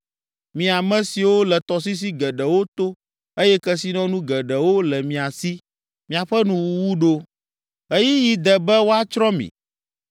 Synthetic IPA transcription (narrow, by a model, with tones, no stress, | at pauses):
mĩ˨a˨mɛ̃˨si˨wo˦lɛ˨t̪ɔ˨s̬i˦s̬i˦ɡɛ˨ɖɛ˨wo˦t̪o˦ | e˦jɛ˦kɛ˦si˦nɔ̃˦nũ˦ɡɛ˨ɖɛ˨wo˦lɛ˨mĩ˨a˨si˦ | mĩ˨a˨ɸɛ˦nũ˨wu˨wu˦ɖo˦ | e˦ji˦ji˨d̪ɛ˨bɛ˦wo˦a˦t͡ʃɾɔ̃˦mḭ̃˨